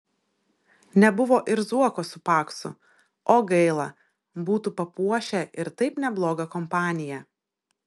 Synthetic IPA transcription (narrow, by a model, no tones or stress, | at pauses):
nʲɛbʊʋoːʔɪɾzuɔkoːsʊpɑːksʊ̰ | oːɡɐɪlˠɐ | buːt̪uːpɐpuɔʃʲɛʔɪɾt̪ɐɪpnʲɛblˠoːɡɐkɔmpɑːnʲɪjɛ